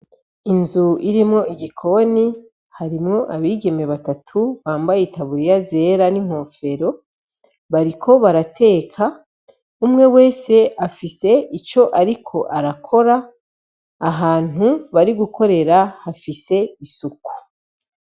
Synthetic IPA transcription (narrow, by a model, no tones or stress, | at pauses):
inzuiɾimŋo̞iɡikʰo̞ni | haɾimŋo̞ʔaβiːɡe̞me̞βatatʰuβaːmbajeitaβuɾijaze̞ːɾaniŋ̥o̞ːfe̞ɾo̞ | βaɾikʰo̞βaɾatʰe̞ːkʰa | umŋe̞we̞ːse̞afise̞it͡ʃo̞ʔaɾikʰo̞ʔaɾakʰo̞ɾaː | ɦaːn̥uβaɾiɡuko̞ɾe̞ɾahafise̞isuku̥